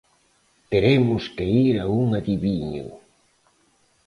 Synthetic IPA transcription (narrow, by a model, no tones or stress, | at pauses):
t̪eɾemʊskeiɾauŋaðiβiɲʊ̰